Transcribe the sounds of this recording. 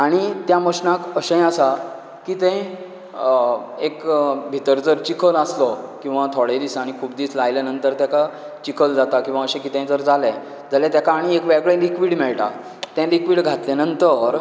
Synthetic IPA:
aɽ̃it̪jaməɕnãkəɕə̃jasa | kit̪ẽj | ekbʱit̪əɾd͡zəɾt͡ɕikʰələslɔkĩw̃ʋat̪ʰoɽed̪isaɽ̃ikʰuːbd̪iːt͡slajlanənt̪əɾt̪jaka | t͡ɕikʰəld͡zat̪akĩw̃ʋaəɕɛ̃kit̪ə̃j̃d͡zəɾd͡zʱalɛ | d͡zʱalɛt̪jakaːɽ̃iekʋɛɡɭẽlikʋiːɽmɛɭʈa̰ | t̪ɛ̃likʋiːɽɡʱat̪lɛnənt̪əɾ

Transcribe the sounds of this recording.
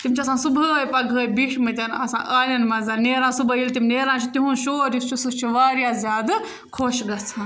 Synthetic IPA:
t̪imʲt͡ʃʰiɐsãːsubʱəːjpɐɡəːjbiʃʰmɐ̃t̪ʲanɐsã̰ːʔaːlʲɐnmɐzaːlneːɾãːsubʱəilt̪imneːɾãːt͡ʃʰut̪iɦũnʃoːɾist͡ʃʰusut͡ʃʰiʋaːɾjaːzʲjaːd̪ | kʰoːʃɡɐt͡sʰãːn

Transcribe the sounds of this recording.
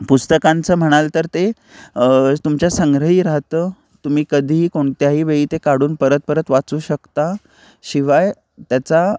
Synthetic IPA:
pust̪əkãnt͡səːm̤əɽ̃alt̪əɾt̪e | t̪umt͡ɕjasəŋɡɾəɦiːɾaɦt̪əː | t̪umiːkəd̪ʱiːkoɳt̪jaɦiːʋeiːt̪ekaɽuːnpəɾət̪̚pəɾət̪ʋat͡suːɕəkt̪a | ɕiʋaj | t̪jat͡sa

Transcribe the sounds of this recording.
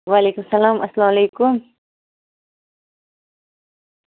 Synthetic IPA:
waleːkumsɐlaːmʔɐslɑːmalejkʊm

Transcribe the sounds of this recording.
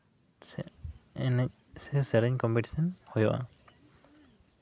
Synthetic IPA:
nɛ | sɛsɛɾɛɲkɔmpiʈi̥sɔnhɔjɔʔa̰

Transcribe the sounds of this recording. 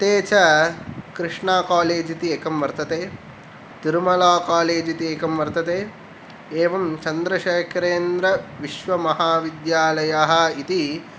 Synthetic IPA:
t̪eːt͡ʃɐkɾɪʂɳaːkaːleːd͡ʒit̪ieːkɐmʋɐɾt̪ɐt̪eː | t̪iɾumɐlaːkaːleːd͡ʒit̪ieːkɐmʋɐɾt̪ɐt̪eː | eːʋɐmt͡ʃɐnd̪ɾɐʃeːkʰɾeːnd̪ɾɐʋiʃʋɐmɐɦaːʋid̪jaːlɐjaɦɐit̪i

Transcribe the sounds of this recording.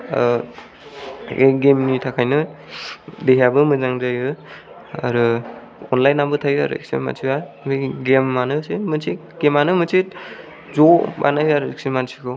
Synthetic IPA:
a̰ɾu | eɡemnitʰakʰajnɯ | deɦjabɯmɯzaŋdajɯ | a̰ɾu | ɔnlajnːambɯtʰajɯa̰ɾṵḛksema̰nsʰiwa | biɡemːanɯsemɯnsʰi | ɡ̥emːanɯmɯsʰit̚ | zoba̰nahiaɾuik̚simansʰikʰɯw

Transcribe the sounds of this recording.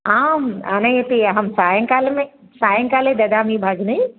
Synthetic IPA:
aːma̰nɐ̃et̪iɐɦɐmsaːjə̃ŋkaːlmẽ | saːjə̃ŋkaːlẽd̪ɐd̪aːmĩbʱaɡni

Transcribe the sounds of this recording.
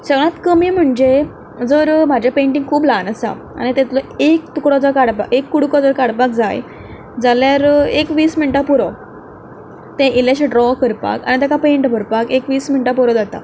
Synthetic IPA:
səɡɭãt̪kəmiːm̤əɳd͡ʑe | d͡zəɾm̤ad͡ʑapeɳʈĩŋɡkʰuːblanəsa̰ | a̰ñit̪ɛt̪loekt̪ukɽɔd͡zɔkaɽpakekːuɽkɔd͡zɔɾkaɽpak̚d͡zaj | d͡zaljaɾekʋiːsminʈapuɾɔ | t̪ẽʔiljaɕeɖɾɔkəɾpa̰ka̰ñit̪akapeɳʈbʱəɾpakekʋiːsminʈapuɾɔd͡zat̪a̰

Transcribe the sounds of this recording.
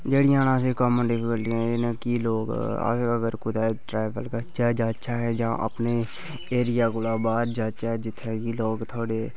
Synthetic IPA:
d͡ʒeːɽiːãːnãːseːkəməɖɪpʰɪkəlʈiɛ̃ːeːnãkiːloːɡə̰əɡəɾkʊd̪ɛːʈɾaːbəlkəɾd͡ʒaːd͡ʒaːt͡ʃʰaːɦɛːd͡ʒãːʔə̰pneː | eːɾɪjaːkoːlaːbaːɾd͡ʒaːt͡ʃaːɦɛːd͡ʒɪt̪ʰːekiːloːɡt̪ʰoːɽeː

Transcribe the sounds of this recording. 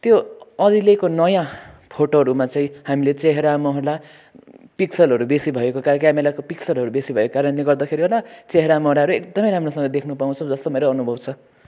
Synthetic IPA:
t̪joʌd̪ilekonʌjãpʰoʈoɦʌɾumat͡saĩhamilet͡seɦeɾamʌɦʌrla | piksʌlɦʌɾubesibʱʌekokakamelakopiksʌlɦʌɾubesibʱʌekokaɾʌnleɡʌrd̪akʰeɾiolat͡seɦeɾamʌɦɾaɦʌɾuekd̪ʌmʌjɾamrosʌ̃ŋɡʌd̪ekʰnupaũt͡sʰʌ̃w̃d͡zʌst̪omeɾʌʌnubʱʌbt͡sʰʌ

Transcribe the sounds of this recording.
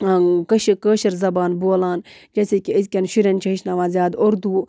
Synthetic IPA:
kɐʃkəːʃɐɾzɐbaːnboːlaːn | d͡ʒɐsekʲiəskʲɐnʃiɾʲɐnt͡ʃʰɐɦiʃnaːʋãːnzʲjaːd̪oɾd̪uː

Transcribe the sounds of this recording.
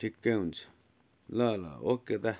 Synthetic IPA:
ikent͡s | laːla̰oked̪a

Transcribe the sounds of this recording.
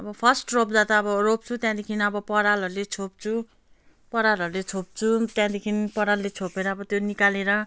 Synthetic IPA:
ʌbʌpʰʌsʈrop̚d͡zat̪aːbʌrop̚t͡sʰut̪jãd̪ekʰiniʌbʌpʌɾalʌɾulet͡sʰop̚t͡sʰu | pʌɾalʌɾulet͡sʰop̚t͡sʰut̪jãd̪ekʰinipʌɾalːet͡sʰopeɾʌːbʌt̪jonikaleɾʌ

